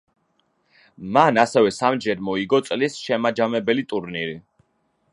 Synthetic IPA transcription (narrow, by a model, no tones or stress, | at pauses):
manasɛvɛsamd͡ʒɛɾmɔiɡɔt̪sʼlisʃɛmad͡ʒamɛbɛlit̪ʼuɾniɾi